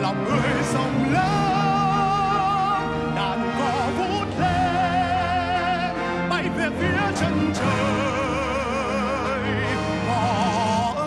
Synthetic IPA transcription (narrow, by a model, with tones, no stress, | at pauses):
la˨˩wŋ͡m̚hə˨˩jsə˨˧˩wŋ͡mləː˨˦ | ɗaː˧˨ŋkɔ˨˦ | vo˧˥t̚le˧ | ɓa˧˩jvɛ˨˩ət̚vi˧˥ət͡ɕə˧nt͡ɕəː˧˨ | j | ɔ˧